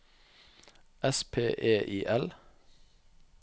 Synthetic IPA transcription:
ʔɛspʰeːʔeːʔiːʔɛl

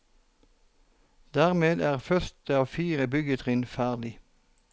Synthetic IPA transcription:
d̪æːʁmeːd̪æːʁfœʁt̪əɑːʋfiːʁəbʏɡət̪ʰʁɪnfæːʁlɪ

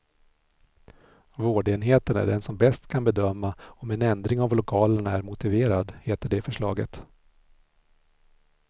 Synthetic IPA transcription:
voːɖeːnɦeːt̪ənæ̰ɖɛnsɔmbɛst̪kʰanbɛd̪œmːaɔmɛnɛnd̪ɾɪŋavlʊkʰɑːləɳaæɾmʊt̪ɪveːɾad̪heːt̪əɖɛfœʂɭɑ̰ːɡə̰t̪

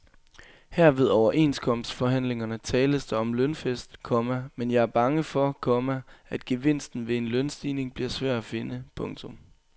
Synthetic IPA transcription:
hæɐ̰ʋe̝ð̞ˠɒʊɐʔe̝̰nskʰɒ̽m̰sd̥fɒ̽ɦæn̰le̝ŋɐnət͡sʰɛːləsd̥ɑɒ̽mlønfesd̥kʰɒ̽mæmenjɑ̈ɪæɐb̥ɑ̈ŋəfɒ̽kʰɒ̽mææd̥̚ɡ̥e̝ʋe̝n̰sd̥n̩ʋe̝e̝nlønsd̥iːne̝ŋb̥liɐsʋæɐ̰d̥æfe̝nəpʰɔ̽ŋt͡sʰɔ̽m

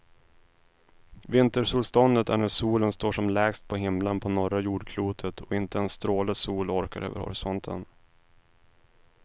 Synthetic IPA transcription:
vɪnt̪əʂuːlst̪ɔnd̪ət̪æɳæsuːlənst̪oːʂɔmlɛːɡst̪̚pʰɔɦɪmlənpʰɔnɔɾajuːɖkʰluːt̪ʰət̪ʰɔɪnt̪əɛnst̪ɾoːləsuːlɔɾka̰ɾø̰ːvə̰ɾhɔ̰ɾɪsɔnt̪ʰə̰n

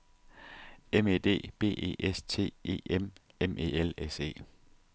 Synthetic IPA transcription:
eme̝d̥e̝̰ːb̥e̝̰ːe̝̰ːʔest͡sʰe̝̰ːe̝̰ːem | emʔe̝̰ːelese̝̰ː

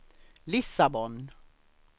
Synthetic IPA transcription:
lɪsabɔn

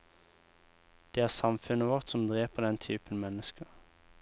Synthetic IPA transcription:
d̪̥eːæːʁsɑmfʉnəʋɔʁt̪sɔmd̪ʁeːpəʁd̪ɛnt̪ʰyːpənmɛnəskəʁ

